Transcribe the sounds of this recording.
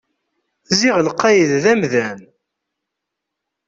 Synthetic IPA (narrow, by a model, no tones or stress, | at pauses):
θziʁlqːɑjəððæmðæn